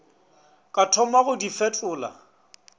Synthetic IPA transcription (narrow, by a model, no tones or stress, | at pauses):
kʼatʰɔmaɣʊdifɛtʼʊːla̰